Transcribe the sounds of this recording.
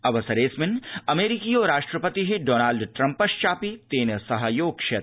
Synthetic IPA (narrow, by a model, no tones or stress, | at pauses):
ɐʋɐsɐɾeːsmɪnɐmeːɾikioːɾaːʂʈɾɐpɐt̪iɦiɖoːnaːlɖʈɾɐ̃mpɐʃt͡ʃaːpit̪eːnɐsɐɦɐjoːɡʃe